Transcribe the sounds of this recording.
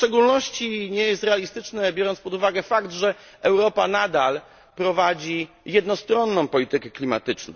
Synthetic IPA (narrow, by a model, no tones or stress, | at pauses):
ft͡ʂɛɡulnɔɕt͡ɕiɲɛjɛst̪ɾɛalʲist̪ɘt͡ʂnɛbʲjɔɾɔnt̪spɔd̪uvaɡɛfaɡt̪ʐɛ | ɛwɾɔpanad̪al | pɾɔvad͡ʑi | jɛd̪nɔst̪ɾɔnːɔ̃w̃pɔlʲit̪ɘkɛklʲima̰t̪ɘt͡ʂnɔ̰̃w